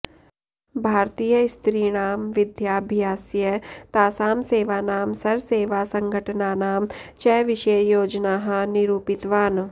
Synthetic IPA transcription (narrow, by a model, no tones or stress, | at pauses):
bʱaːɾt̪iːjəst̪ɾiːɽaːmʋɪd̪jaːbʱjaːsjət̪aːsaːmseːʋaːnaːmsɐɾseːʋaːsɐ̃ŋɡʱəʈnaːnaːmt͡ʃɛːʋɪʃəjoːd͡ʒnaːɦɐnɪɾuːpɪt̪ʋaːn